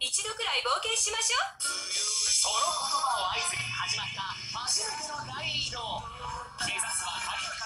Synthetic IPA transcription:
it͡ɕid̪o̞kɯ̟ɾaibo̞ːke̞ɕimaɕoː | so | aihaʑimat͡sɨɡapãset̪ːɯnoɾaiɾʲino | keːsasa̰a

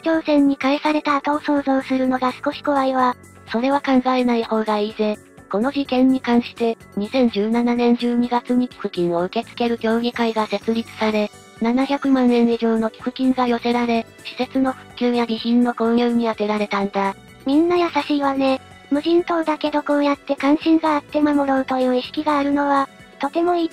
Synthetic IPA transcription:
kʲo̞ːsẽ̞ɲ̟ːikaisaɾe̞t̪aːt̪aoso̞ːzo̞ːsɨɾɯ̟no̞ɡasɨ̥ko̞ɕi̥ko̞βaiβa | so̞ɾe̞βakãŋɡaenaiho̞ːɡaiːze̞ | ko̞no̞ʑikẽ̞ɲ̟ːikãɰ̃ɕi̥t̪e̞ | ɲ̟isẽ̞ɲ̟d͡ʑɨːnananẽ̞ɲ̟d͡ʑɨːɲ̟iɡat͡sɨɲ̟ikʲi̥kɯ̟kʲĩɰ̃o̞ɯ̟ke̞t͡sɨ̥ke̞ɾɯ̟ɡʲo̞ːɡʲikaiɡase̞t͡sɨɾʲit͡sɨ̥saɾe̞ | nanaçʲakɯ̟mãnːẽ̞ɰiʑoːno̞kʲi̥kɯ̟kʲĩŋɡajo̞se̞ɾaɾe̞ | ɕi̥se̞t͡sɨno̞ɸɯ̟̥kʲjɨːjaɾiçĩnːo̞kõ̞ɰjɯːɲ̟iat̪e̞ɾaɾe̞t̪ãnd̪a | mʲĩnːajasaɕiβane̞ | mɯ̟ʑĩnt̪o̞ːd̪ake̞d̪o̞ko̞ːjat̪ːe̞kãɰ̃ɕĩŋɡaːt̪ːe̞mamo̞ɾoɯ̟t̪o̞jɯ̟ːiɕi̥kʲiɡaːɾɯ̟no̞βa | t̪o̞t̪e̞mo̞iː

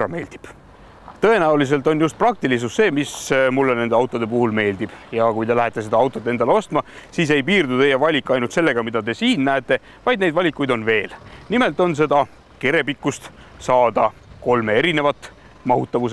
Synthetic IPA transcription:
ɑ̰me̞ːld̪̥i̥b̥ | t̪ɤ̞e̞næulis̬e̞lt̪ˑo̞njust̪̚prɑk̚t̪ilis̬usːe̞ːmismulːene̞nd̪̥eɑwt̪ːˑo̞d̪̥e̞p̬uhulme̞ːld̪ib̥jɑkujd̪e̞læɦet̪ːˑe̞se̞d̪̥ɑɑwt̪ˑot̪ːe̞nd̪ɑleost̪mɑsiːs̬e̞jpiːrd̪ut̪ejɑvɑlʲikːˑɑjnult̪se̞lːe̞ɡ̥ɑmid̪ɑd̪e̞siːnnæet̪ːˑe̞ | vɑjd̪̚ne̞jd̪vɑlʲikːˑujd̪o̞nve̞ːlnime̞lt̪ːˑo̞ns̬e̞d̪ɑ | ke̞ɾe̞pikːˑust̪ | sɑːd̪ɑko̞lme̞e̞ɾine̞vɑt̪ːˑ | mɑɦut̪ːˑɑvus

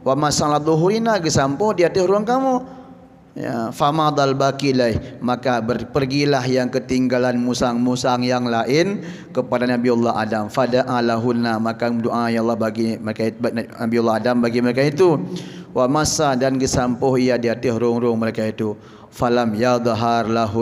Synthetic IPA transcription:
wamasalad̪ˤɔɦuɾinaɡəsampɔhdiat̪ɪhɾʊaŋkamu | ja̰famad̪albakilaihmakabərpərɡilahjaŋkət̪iŋɡalanmusaŋmusaŋjaŋlaʔɪn | kəpadanabiɑlːaɦa̰damfadaʔalaɦunːamakadoʔajalːɑhbaɡiməɾekanabilːɔɦadambaɡiməɾekait̪uwʔamasadanɡəsampɔɦijadiat̪ɪhɾʊŋɾʊŋməɾekait̪u | falamjad̪ˤaɦarlaɦʊ

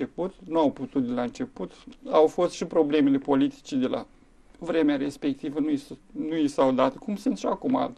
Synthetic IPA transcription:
e̞put̪nuawput̪ut̪d̪elaɨnt͡ʃe̞put̪awfo̞st̪ʃipɾo̞ble̞me̞le̞po̞lit̪i̥t͡ʃed̪e̞la̰ | vɾe̞meaɾe̞spe̞k̚t̪ivənunujisawd̪at̪kumsɨnt̪ʃiakuma̰l

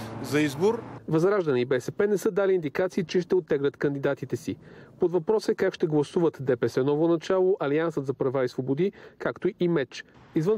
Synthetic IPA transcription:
zɐizboɾvɐzɾaʒd̪ɐnʲiibɛsɛpɛnɛsɤd̪alind̪ikat̪siːt͡ʃɛʃt̪ɛot̪ːɛɡɾət̪kɐnd̪id̪at̪it̪ɛsipod̪vɐpɾɔsɛkakʃt̪ɛɡlˠɐsuvət̪d̪ɛpɛsɛnɔvonɐt͡ʃalˠoʔɐliansət̪zɐpɾɐvaisvobod̪ikakt̪oimɛt͡ʃ | izvɤn

